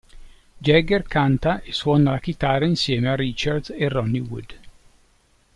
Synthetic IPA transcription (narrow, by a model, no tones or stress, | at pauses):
d͡ʒɛɡerkʰant̪aʔeswɔːnalak̟it̪aːrːainsjɛːmearːit͡ʃard̪serːɔnːiwṵd̪